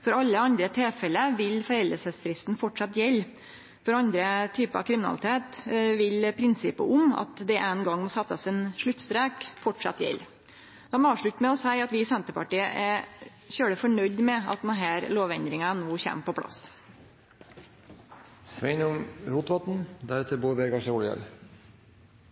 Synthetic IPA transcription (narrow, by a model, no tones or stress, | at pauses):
fɔɾɑlːəɑnd̪ɾət̪ʰeːfɛləʋɪlfɔɾɛld̪əsəsfɾɪst̪n̩fɔʈʂɑt̪jɛlː | fɔɾɑnd̪ɾət̪ʰyːpəɾɑ̰ʋkʰɾɪmɪnɑ̰lɪt̪ʰeːt̪ʋɪlpʰɾɪnsɪpə̰ʔʊmɑ̰t̪d̪ɛʔɛnɡɑŋːmɔsɛt̪ːɑsɛnʂɭʉt̪ːst̪ɾeːkfɔʈʂɑ̰t̪jɛ̰lː | d̪̥ɑmɔɑːʋʂɭʉt̪ːmɛɔsæɪɑt̪ʋɪsɛnt̪əpɑʈiːəʔæɾ | çøːɽəfɔɳœʏd̪mɛɑ̰t̪̚d̪ɛnɦæːɾloːʋɛnd̪ɾɪŋɑnuːçæ̰ːmpʰɔpʰɽɑ̰s | sʋɛɪnʊmɾuːt̪ʋɑt̪n̩d̪æɾɛt̪əɾbuːɾbɛɡɑʂəɔljɑ̰ɾ